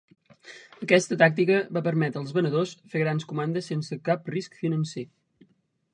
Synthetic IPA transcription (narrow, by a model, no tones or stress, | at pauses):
əkɛst̪ət̪ak̚t̪ikəβapəɾmɛt̪ɾəlˠzβənəðosfeɣɾanskumand̪əsensəkap̚riskfinənse